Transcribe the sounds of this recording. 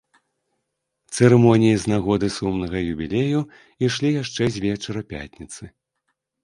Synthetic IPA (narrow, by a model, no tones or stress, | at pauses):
t̪sɛɾɛmɔnʲijiznaɣɔd̪ɨsumnɐɣɐjubʲilʲeju | iʂlʲijaʂt͡ʂɛzʲvʲɛt͡ʂɐɾɐpʲa̰t̪ʲnʲit̪sɨ